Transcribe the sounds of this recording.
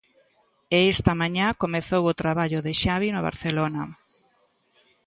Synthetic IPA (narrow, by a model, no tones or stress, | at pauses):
eest̪ɐmaɲakomeθowot̪ɾaβaʎoðeʃaβinoβa̰ɾθelonɐ